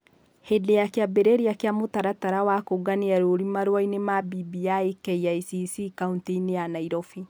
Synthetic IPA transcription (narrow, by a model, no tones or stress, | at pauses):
hedejakeabeɾeɾiakjamotaɾataɾawakoɡaneaɾoɾimaɾwainemabibiaikɛiaisisikauntiineanaiɾɔfi